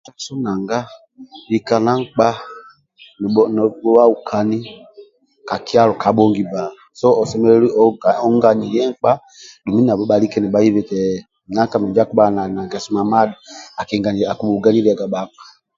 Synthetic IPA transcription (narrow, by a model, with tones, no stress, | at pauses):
ta˦sɔ˦na˨ŋɡa˦ | i˨ka˨na˦ŋ̩˦k͡pa˦ | n˨ɔ˨n˨ɔ˦wa˦u˨kʰa˨ni˦ | ka˨ki˦a˦ɾɔ˨ka˨˦ɓɔ˦ŋɡi˨ba˨ | sɔ˦ɔ˨sɛ˦mɛ˦lɛ˦li˦ɔ˦˨ɔ˦ŋɡa˨ni˨jɛ˦ŋ̩˨˦k͡pa˦ | du˨mi˦n˦a˨bɔ˦ɓa˨li˦kɛ˦nɛ˨ba˦ji˦βɛ˨tɛ˨ | na˦ka˨mɛ˨d͡ʒa˦ku˦ɓa˦˨na˨na˨ɡɛ˨su˨ma˨ma˦da˨a˨kɛ˨ŋɡa˨ni˨a˨ku˦ɓu˨ɡa˦ni˦ɛ˨ɡa˨ɓa˨˦k͡pḁ˨